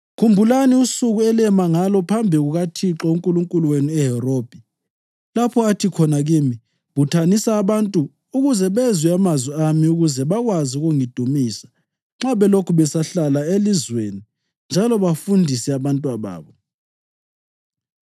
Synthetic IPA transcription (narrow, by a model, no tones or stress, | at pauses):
kʰumbʱulaniusuɣuɛlɛmaŋalɔpʰambʱiɣuɣatʰiǁɔuŋkʼuluŋkʼuluweniɛɦɛroːb̥ʱi | lapʰɔatʰikʰɔnaɣimi | βutʰanisaːβantʼuː | ɣuzɛβɛzwɛamazwiamiuɣuzɛβaɣwaziuɣuŋid̥ʱumiːsḁ | ŋ͡ǁaβɛlokʰuβɛsaɬalaelizweni | nd͡ʒʱalɔβafundʱisɛaβantʼuwaβa̰ːβɔ